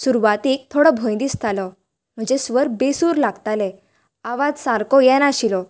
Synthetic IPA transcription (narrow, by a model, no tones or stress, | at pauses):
suɾʋat̪iːk̚t̪ʰoɽɔbʱɔ̃jnd̪ist̪ʰalɔ | m̤əɳd͡zesʋəɾbesuːɾlaɡt̪alɛ | aʋad͡zsaɾkɔjɛnaɕilɔ